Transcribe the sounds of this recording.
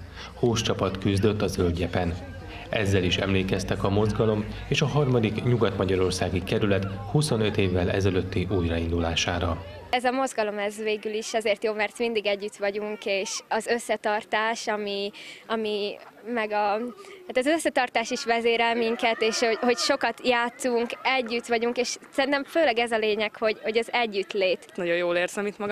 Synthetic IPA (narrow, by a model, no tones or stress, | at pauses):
hoːʃt͡ʃɒpɒt̪kyzd̪ø̞t̪ːɒzølɟɛpɛn | ɛzːɛliʃɛ̰mleːkɛst̪ɛkɒmo̞zɡɒlo̞meːʃɒɦɒrmɒd̪ikɲuɡɒt̪mɒɟɒɾo̞rsaːɡikɛɾylɛt̪huso̞nø̞t̪eːvːɛlɛ̰zɛløt̪ːiʔuːjrɒind̪ulaːʃaːɾɒɛzɒmo̞zɡɒlo̞mɛzʋeːɡyliʃɛzeːrt̪joːmɛrt̪mind̪iɡɛɟːyt̪ʋɒɟuŋkeːʃɒzø̞sːɛt̪ɒrt̪aːʃɒmiɒmimɛɡɒaːt̪ɒzøsːɛt̪ɒrt̪aːʃiʃʋɛzeːɾɛlmiŋkɛt̪eːʃhoho̞cʃo̞kɒt̪jaːt̪suŋkɛɟːyt̪ʋɒɟuŋkeːʃsɛɾʲint̪ɛɱføːlɛɡɛzɒleːɲɛkho̞ɟho̞ɟɒzɛɟːyt̪leːt̪nɒɟo̞joːleːrzɒmit̪mɒɡ